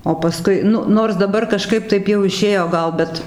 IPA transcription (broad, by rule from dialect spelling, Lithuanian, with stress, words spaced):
oː pɐˈskʊɪ ˈnʊ ˈnoːrs dɐˈbɐr kɐˈʃkɐɪp ˈtɐɪp jɛʊ ɪˈʃʲeːjoː ˈɡɐlˠ ˈbʲɛt